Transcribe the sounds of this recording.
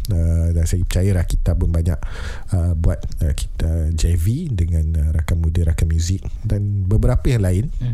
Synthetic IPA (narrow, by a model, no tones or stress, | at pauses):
ədaŋsajəpət͡ʃajəlahkit̪apʊnbaɲa̰ʔ | əbuat̪̚əki̥t̪əd͡ʒavidəŋãnəɾakamudəɾakamjuzɪk̚danbəbəɾapəjaŋlaɪn